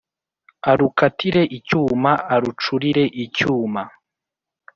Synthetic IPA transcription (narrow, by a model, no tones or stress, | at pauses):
aɾukatʰiɾe̞ʔicuːmaaɾut͡ʃuɾiɾe̞ʔicuːma